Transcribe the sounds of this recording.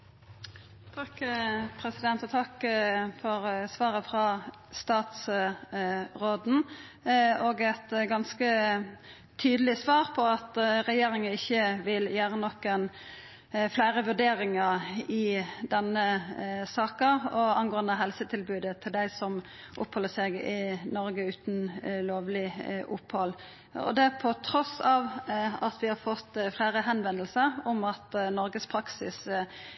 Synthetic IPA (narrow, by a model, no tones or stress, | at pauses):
t̪ʰɑkpʰʁɛsɪd̪ɛnt̪ɔt̪ʰɑkːfɔʁsʋɑːʁəfʁɑ | st̪ɑːt̪s | ʁoːd̪n̩ | oːɡɛt̪ɡɑnskə | t̪ʰyːd̪əlɪsʋɑːʁpʰɔɑt̪ʁɛjeːʁɪŋəɪçːəʋɪljæːɾənɔkːən | flæɪʁəʋʉɖ̪eːɾɪŋəɪd̪ɛnːəsɑːkəɔɑnɡoːɑnd̪əɦɛlsət̪ʰɪlbʉːd̪ət̪ʰɪld̪æɪsɔm | ʔʊ̰phɔlːəsɛɡɪnɔɾɡəʉːt̪nloːʋlɪʔʊphɔlː | ɔ̰d̪ɛæpʰɔt̪ʰɾɔsɑːʋɑt̪ʰʋɪhɑɾfɔt̪ːflæɪʁəɦɛnʋɛnəlsəʁɔmɑt̪nɔɾɡəspʰɾɑksɪs